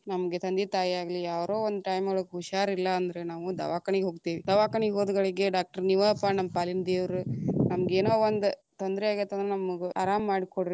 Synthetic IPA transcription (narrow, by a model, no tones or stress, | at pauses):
nɐmɐɡet̪ɐnd̪it̪aːjiaːɡɐlijaːʋɾoːond̪uʈɐjmɐɭɐkuʃaːɾilːɐːnd̪ɐɾe̞naːʋud̪ɐ̰ʋaːkɐɳiɡeɦoːɡt̪iːʋid̪ɐʋaːkɐɳiɡɦoːd̪uɡɐɭeɡeɖaːk̚ʈɐɾniʋɐɐpːaːnɐmːɐpaːlind̪eːʋɾunɐmɐɡeːnoːond̪ut̪ond̪ɐɾeaːɡiɾt̪ːɐnd̪ɾenɐmɐɡeaːɾaːmːaːɽikoɽi